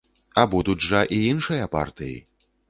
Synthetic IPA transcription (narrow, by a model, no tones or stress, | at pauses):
ɐbud̪ud͡zʐɐʔiinʂɨjɐpa̰rt̪ɨjḭ